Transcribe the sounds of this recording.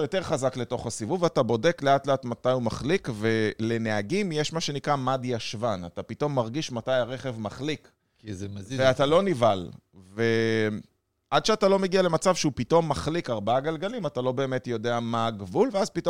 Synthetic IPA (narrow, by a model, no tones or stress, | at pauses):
jo̞teʁχazakle̞to̞χasivuvatabo̞de̞kle̞atleatmatajumaχlikve̞le̞ne̞aɡimjeʃmaʃe̞nikʁamadjaʃvanatapito̞mːaʁɡiʃmatajaʁe̞χe̞vmaχlik | izeveatalo̞nival | ve̞ | ʔadʃeatalo̞me̞ɡialemat͡savʃeupito̞mːaχlikaʁbaaɡalɡalimatalo̞be̞ːme̞tjo̞de̞amaɡvulveazpito